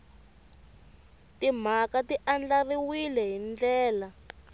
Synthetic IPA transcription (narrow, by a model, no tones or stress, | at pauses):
tim̤akatiʔand͡ɮariwilɛɦind͡ɮɛːla